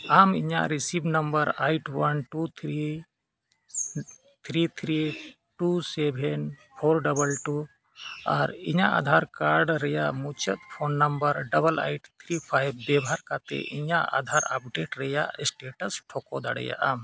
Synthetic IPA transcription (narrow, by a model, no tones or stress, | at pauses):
amiɲa̰ʔɾisibnəmbəɾajʈʰwənʈut̪ʰɾi | t̪ʰɾit̪ʰɾi | ʈusɛbʱɛnpʰoɾɖəbəlʈu | aɾiɲaʔa̰d̪ʱaɾkaɾɖɾɛjaʔmut͡ʃʰət̪̚pʰonːəmbəɾɖəbəla̰jʈt̪ʰɾipʰajb̚bɛbɦaɾkat̪ɛ̰ʔiɲaʔa̰d̪ʱaɾa̰p̚ɖeʈɾɛjaʔsʈeʈəsʈʰɔkɔd̪aɽɛ̰ja̰ʔam